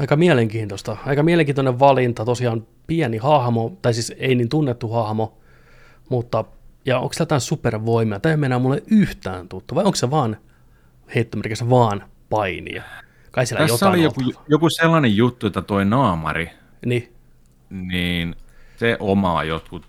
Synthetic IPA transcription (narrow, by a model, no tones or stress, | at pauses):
ɑikɑmiɛleŋkiːnt̪ost̪ɑɑikɑmiæleŋkiːnt̪oneʋʋɑlint̪ɑt̪osiɑːm | piænihɑhmot̪ɑisiːseiniːnt̪unːet̪ːuhɑhmo | mut̪ːɑjɑo̰ŋksilæt̪æːsuperʋoimiɑt̪æømenæːmulːeʔyht̪æːnt̪ut̪ːuʋɑioŋksseʋɑːn | heit̪ːomerkesʋɑːn | pɑinḭɑ | kɑisielææjotːɑolijoujokuselːɑnejjut̪ːuet̪ːæt̪oinɑːmɑ̰ri | ni | niːnseʔomɑ̰ːjot̪kut̪